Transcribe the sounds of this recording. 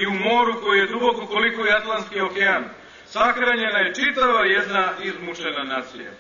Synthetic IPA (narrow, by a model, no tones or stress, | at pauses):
iumo̞ːɾuko̞jije̞d̪ɾuokuko̞likojat̪lˠanskio̞kean | saxɾaɲe̞naje̞t͡ʃit̪aʋajed̪naizmuʃenanaːt̪sḭja̰